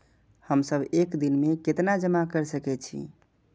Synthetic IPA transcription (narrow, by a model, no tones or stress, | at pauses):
həmsəbekd̪inmeket̪nad͡ʒəmakəɾsəkɛt͡ʃʰḭ